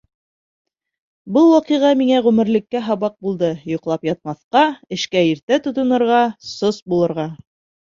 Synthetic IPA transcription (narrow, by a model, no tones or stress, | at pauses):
bɤlˠwɑqɤʁɑmiŋæʁʉmɘ̆ɾlɘ̆kːæɦɑβɑq̚bulˠd̪ɤjŏqlˠɑpjɑt̪̚mɑθqɑɘ̆ʃkæiɾt̪æt̪ŏt̪ŏnɤ̆ɾʁɑsosbulˠɤ̆ɾʁɑ